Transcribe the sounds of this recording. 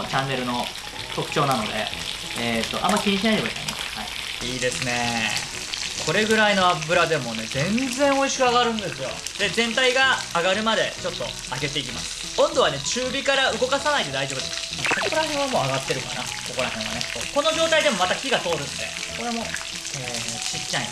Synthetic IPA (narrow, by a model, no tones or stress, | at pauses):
t͡ɕãŋɡe̞ɾɯ̟no̞ | t̪o̞kɯ̟̥t͡ɕo̞ːnano̞d̪e̞̰ | et̪ːo̞ʔã̰mːaikʲiɲ̟iɕinaid̪ebait̪a̰ina̰shai | iːd̪e̞sɨne̞ | kʰo̞ɾe̞ɡɯ̟ɾaino̞apɯ̟ɾad̪e̞mo̞ne̞d͡zẽ̞nd͡zẽ̞ɰ̃o̞iɕi̥kɯaɡaɾɯ̟̃nd̪e̞sɨjo̞̰d̪̥e̞zẽ̞nt̪aiɡaːɡaɾɯ̟mad̪e̞t͡ɕo̞t̪ːo̞̰ | aɡe̞t̪e̞ikʲimasɨ̥ | õ̞nd̪o̞βanet͡ɕɨːbʲikaɾaɯ̟ɡo̞kasanaid̪e̞d̪aiʑo̞ːbɯd̪es | kokoɾahẽɰ̃amo̞ːaɡat̪ːe̞ɾɯ̟ka̰na̰ | koko̞ɾaɦẽɰ̃a̰ne̞soːko̞no̞ʑo̞ːt̪aid̪e̞mo̞mat̪akʲiɡat̪o̞ːɾɯ̟̃nd̪e̞̰ | koɾemo | et͡ɕit͡ɕːãj̰